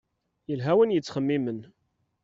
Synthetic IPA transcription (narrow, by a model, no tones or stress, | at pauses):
jəlɦæwənjət͡sːχəmːimən